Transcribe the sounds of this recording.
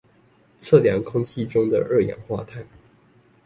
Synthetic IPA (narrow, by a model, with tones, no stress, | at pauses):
t͡sʰɤ˥˩ljɑ˧˥ŋkʰʊ˥ŋt͡ɕʰi˥ʈ͡ʂʊ˥ŋd̪ə̰˨ʔə˥˩jɑ̰˨˩ŋxwa̰˥˧t̪ʰa˥˩ɪ